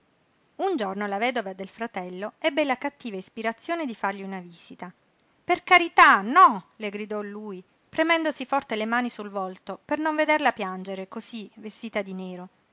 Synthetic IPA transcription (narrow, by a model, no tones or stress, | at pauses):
und͡ʒornolavɛːd̪ovad̪elfɾat̪ɛlːoɛbːelakat̪ːiːvaispiɾat̪sːjoːned̪ifarʎiunaviːz̥it̪a | perkaɾit̪anɔleɡɾid̪ɔlːuːi | pɾemɛnd̪osifɔrt̪elemaːnisulvɔlt̪opernoɱved̪erlapjand͡ʒeɾekosivest̪iːt̪ad̪ineːɾo